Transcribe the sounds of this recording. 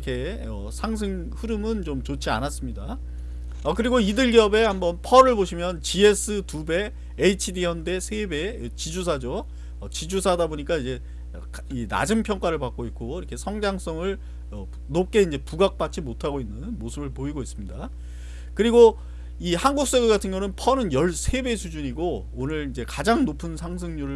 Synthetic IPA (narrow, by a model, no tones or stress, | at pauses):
kʰe̞ | ʌsʰaŋs̬ʰɯŋ | ɸɯɾɯmɯnt͡ɕomt͡ɕot͡ɕʰia̰nas͈ɯmɲida | ʌkɯɾiɡoidɯɭɡiʌbe̞hambʌnpʰʌɾɯɭboɕʰimjʌnt͡ɕie̞s͈ʰɯtube̞ː | it͡ɕʰidiʌnde̞sʰebe̞t͡ɕid͡ʑus̬ʰad͡ʑo | ʌt͡ɕid͡ʑusʰadaboɲik͈aid͡ʑe̞ | kina̰d͡ʑɯmpʰjʌŋk͈waɾɯɭpak͈oit̚k͈oiɾʌkʰe̞sʰʌŋd͡ʑaŋs͈ʌŋɯɭ | ʌ | nok͈e̞ind͡ʑe̞puɡak̚p͈at͡ɕ͈imotʰaɡoinːɯnmosʰɯbɯɭpoiɡois͈ɯmɲida | kɯɾiɡo | ihanɡuk̚s͈eɡeɡatʰɯnɡʌnɯnpʰʌnɯnjʌɭsʰe̞be̞sʰud͡ʑuɲiɡo | onɯɾid͡ʑe̞kad͡ʑaŋnopʰɯnsʰaŋsʰɯŋɲuɾɯ